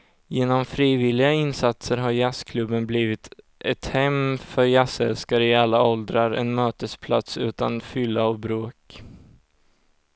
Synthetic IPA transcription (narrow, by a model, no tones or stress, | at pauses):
jeːnɔmfɾiːvɪlɪɡaɪnsat̪səɾɦaɾjaskʰlɵbːənbliːvɪt̪ | ʔɛt̪hɛmfœɾjasɛ̰lskaɾəɪalːaɔld̪ɾaɾɛ̰nmøːt̪əspʰla̰t̪sʉ̟ːt̪a̰nfʏlːaɔvbɾoːk